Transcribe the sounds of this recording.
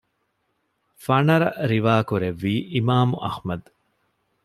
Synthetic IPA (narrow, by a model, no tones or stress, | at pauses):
fɐnɐɾɐɾiʋaːkuɾeʋːiːʔimaːmuʔɐ̰hmɐd̪